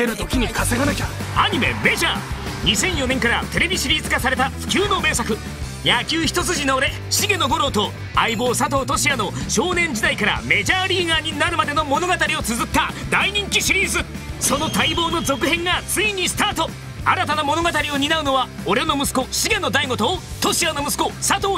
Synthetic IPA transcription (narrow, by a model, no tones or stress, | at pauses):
eɾɯt̪okʲiɲ̟ikaseɡana | aɲ̟ime̞̰me̞ʑaːɲ̟isẽ̞ɰ̃jo̞nẽ̞ŋkaɾa̰t̪e̞ɾe̞bʲiɕiɾʲiːzɨkasaɾet̪aɸɯ̥kʲɨːno̞me̞ːsakɯ̟ | jakʲɨːçi̥t̪o̞t͡sɨʑinoːɾe̞ | ɕiɡẽ̞nːo̞ɡo̞ɾo̞t̪o̞ | a̰ibo̞ːsat̪̬o̞ːt̪o̞ɕiano̞ɕo̞ːnẽ̞ɲ̟d͡ʑid̪aikaɾa̰me̞ʑaːɾʲiːɡaːɲ̟inaɾɯ̟mad̪eno̞mo̞no̞ɡat̪aɾʲio̞t͡sɨzɨt̪ːad̪aiɲ̟ĩŋkʲiɕiɾʲiːzɨ | so̞no̞t̪aibo̞ːno̞zo̞kɯ̟hẽ̞ŋɡat͡sɨiɲ̟isɨ̥t̪aːt̪o̞ | a̰ɾat̪anamo̞no̞ɡat̪aɾʲio̞ɲ̟inaɯ̟no̞βaoɾeno̞mɯ̟sɨ̥ko̞ɕiɡẽ̞nːo̞d̪aiɡo̞t̪o̞ːt̪o̞ɕiano̞mɯsɨ̥ko̞sat̪o̞ː